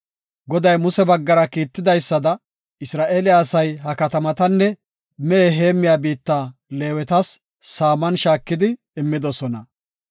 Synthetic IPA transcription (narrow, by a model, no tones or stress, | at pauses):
ɡɔd̪ɐjmʊsɛbɐɡːɐɾɐkiːt̪ːɪd̪ɐjsːɐd̪ɐ | ɪsɾaːʔeːlɪaːsɐjɦɐkɐt̪ɐmɐt̪ɐnːɛ | mɛeɦe̞ːmːɪjaːbiːt̪ːaːle̞ːwɛt̪ɐsː | aːmɐnʃaːkːɪd̪ɪː | mːɪd̪ɔsɔnɐ